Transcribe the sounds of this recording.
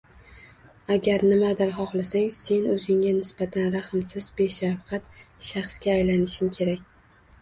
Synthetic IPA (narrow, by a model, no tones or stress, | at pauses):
aɡʲaɾnɪmad̪ɪɾχɒχlˠasaŋse̞nɵzɪŋanɪsbat̪ʰanɾaχɨmsɪzbe̞ʃafqʰat̪ʃaχsɡʲaːjlanɪʃɪmkʲʰe̞ɾakʲ